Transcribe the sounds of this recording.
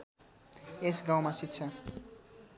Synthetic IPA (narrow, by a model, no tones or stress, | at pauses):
esɡawmasit̪t͡sʰʌ